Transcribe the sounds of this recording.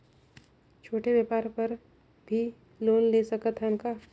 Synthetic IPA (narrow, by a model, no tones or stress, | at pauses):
t͡ʃʰoːʈebjeːpaːɾpɐɾ | bʱi | loːnleːsɐkət̪ɦɛʊnka